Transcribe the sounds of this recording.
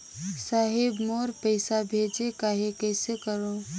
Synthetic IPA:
saːɦɪbmoːɾpəɪsabʱeːd͡ʒekaːɦekɛːsekəɾoː

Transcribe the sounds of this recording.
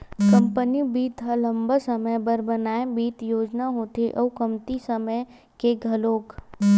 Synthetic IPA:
kə̃mpənibiːt̪ɦələ̃mbəsəməjbəɾbənaːebiːt̪joːd͡ʒnaɦoːt̪eʔɔukəmt̪isəməj | keɡʱəloːk

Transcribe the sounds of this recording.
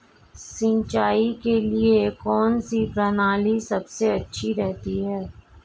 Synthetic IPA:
sɪ̃ɲt͡ʃaːikeliekɔːnsipɾɐnaːlisɐbseɐtːʃʰiɾɛɦt̪iɦɛː

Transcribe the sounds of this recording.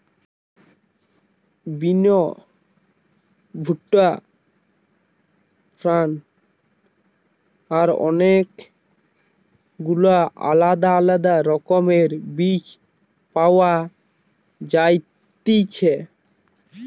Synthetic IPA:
bino | bʱuʈːa | fɾan | aɾɔ̰nek | ɡulaʔa̰lad̪aalad̪aɾɔkomeɾbit͡ɕ | pawa | d͡ʑajt̪it͡ɕʰe

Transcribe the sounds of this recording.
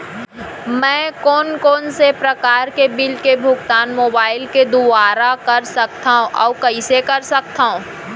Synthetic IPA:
mɛ̃ːkɔːnkɔːnsepɾɐkaːɾkebɪlkebʱʊɡt̪aːnmoːbaːɪlked̪ʊaːɾakɐɾsɐk̚t̪aɦõʔɔːkɐɪsekɐɾsɐk̚t̪aɦũː

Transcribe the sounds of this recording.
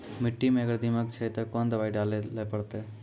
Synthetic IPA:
mɪʈːimẽəɡəɾd̪imək̚t͡ʃʰət̪ɐkond̪əʋaːiɖaːleləpəɽt̪e

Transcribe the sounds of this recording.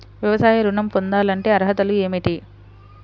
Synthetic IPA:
ʋjɐʋɐsaːjɐɾuɳɐmpond̪aːlɐɳʈe̞ːɐɾɦɐt̪ɐlue̞ːmiʈi

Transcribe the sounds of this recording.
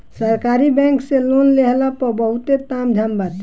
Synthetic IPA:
səɾkaɾibɛ̃ŋkselonleɦlapəbəɦut̪et̪amd͡ʒʱambat̪

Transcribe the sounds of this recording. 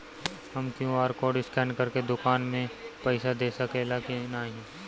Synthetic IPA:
hɐmkjũaːɾkɔːɖɪskɛːnkɐɾked̪ʊkaːnmẽpɛɪsad̪eːsəkelakenaːɦĩː

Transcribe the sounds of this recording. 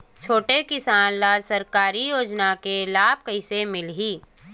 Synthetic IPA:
t͡ʃʰoːʈekɪsaːnlaːlsɐɾkaːɾijoːd͡ʒnakelaːb̚kəɪsemɪlɦiː

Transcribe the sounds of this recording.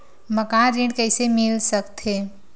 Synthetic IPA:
mɐkãːnɾẽːɖkəɪsemɪlsəkt̪ɦeː

